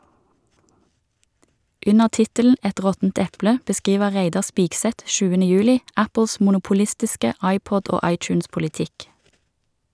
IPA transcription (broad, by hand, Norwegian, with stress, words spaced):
ˈʉnəʁ ˈtɪtəln̩ ˈɛt ˈʁɔtn̩t ˈɛplə bəˈskiːʋə ˈʁeɪdɑ ˈspiːɡˌsɛt ˈʃʉːənə ˈjʉːlɪ ˈæpl̩s mʊnʊpʊˈlɪstɪskə ˈɑɪˌpɔd ˈoː ˈɑɪˌtjʉːnspʊlɪˌtɪk